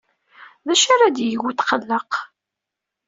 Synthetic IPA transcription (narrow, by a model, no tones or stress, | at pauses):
ðæʃaɾad̪jəɣut̪qəlːəq